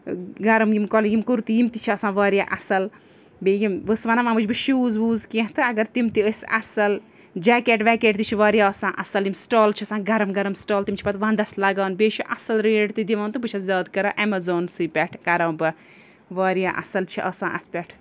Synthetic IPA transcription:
ɡɐɾɐmjimkɔljimkuɾt̪ijimt̪it͡ʃʰiɐsãːʋaːɾjaːʔɐsɐl | bejimbɨsʋɐnaʋãːmɨt͡ʃʰbɨʃuːzʋuːzkẽɦt̪ɨɐɡɐɾt̪imt̪iəsʲɐ̰sɐl | d͡ʒaːkeʈʋɛːkeːʈt̪it͡ʃʰiʋaːɾʲijaːɐsãːʔɐsɐljimsʈoːlt͡ʃʰiɐsãːɡɐɾɐmɡɐɾɐmsʈaːlt̪imʲt͡ʃʰipɐt̪ʋãːnd̪ɐslɐɡaːnbeːt͡ʃʰuʔɐsɐlɾeːɖt̪ɨd̪iʋaːnt̪ɨbɨt͡ʃʰɐszɐːd̪kɐɾaːʔɛmɐzoːnsɨpʲɛʈʰkɐɾɐːbɨ | ʋaːɾijaːʔɐ̰sɐlt͡ʃʰiʔɐsãːʔɐ̰t̪ʰpʲɛʈʰ

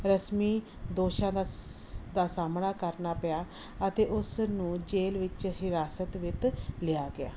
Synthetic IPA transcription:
ɾəsmiː | d̪oːʃãːd̪ad̪aːsaːmnaːkəɾnaːpəjaː | ət̪eːʔʊsnũːd͡ʒeːlʋɪt͡ʃɦɪɾaːsət̪ʋɪt̪lɪjaːɡɪa̰ː

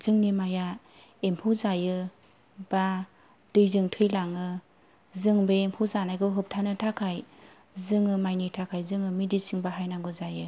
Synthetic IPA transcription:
z̥ɯŋnimaja | empʰɯwzajɯ | b̥a | dɯjzɯŋtʰɯjlaŋɯ | zɯŋbeempʰuwzanajɡɯɦɯp̚tʰanɯtʰakʰaj | zɯŋɯmajnitʰakʰajzɯŋɯmidisiŋbaɦajnaŋɡɯzajɯ

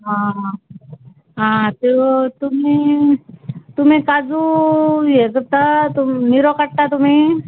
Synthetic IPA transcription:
ɦã | ɦãt̪et̪umi | t̪um̤ĩkad͡zujekət̪at̪umniɾokəʈt̪at̪um̤iː

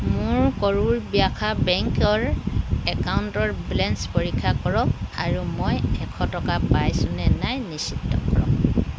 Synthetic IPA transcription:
mʊɹkɔɹuɹbijakʰabɛŋkɔɹɛkawuntɔɹbilɛnspoɹikʰːakɔɹɔk̚aɹumojɛkʰɔtɔkapajsʊnɛnajnisitːɔ̰kɔɹɔk

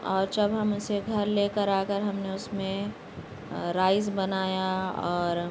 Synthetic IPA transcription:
ɔːɾd͡ʒɐbɦɐmʊseɡʱɐɾleːkəɾaːkəɾɦɐmneʊsmẽ | ɾaːɪzbɐnaːjaɔːɾ

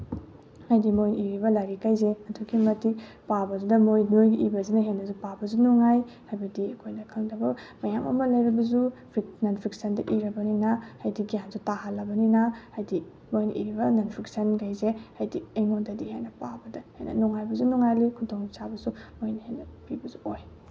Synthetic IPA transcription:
hajdimojniɾibɐlaɾikajzeɐtʰukʰimɐti | pabɐzudɐmojnojɡiʔibɐsinɐɦenːɐzupabɐzunuŋaj | hajbɐdiɐkʰojnɐkʰɐŋdɐbɐmɐjamɐ̰mɐlɐjɾɐbɐzupʰɾiknɐnpʰɾiksɐndɐʔiɾɐbɐninɐhajdiɡijanzutaɦalːɐbɐninɐhajdi | mojnʔḭɾibɐnɐnpʰɾiksɐnkajzehajdiejnodɐdiha̰jnɐpabɐdɐhḛjnɐ̰nuŋajbɐzunuŋajlikʰudʰoŋsabɐsumojnɐhenɐpibɐzuoj

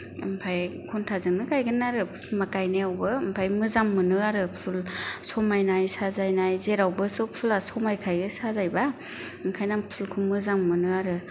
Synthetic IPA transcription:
ɯmpʰajkʰuntʰazɯŋnɯkajɡɯnːaɾɯmakajneawbɯɯmpʰajmɯzamːɯnɯaɾɯpʰulsɔmajnajsazajnajzeɾawbɯsupʰulasɔmajkʰajɡɯsazajba | ɯŋkʰajnapʰulkʰumɯzaŋmɯnɯaɾɯ

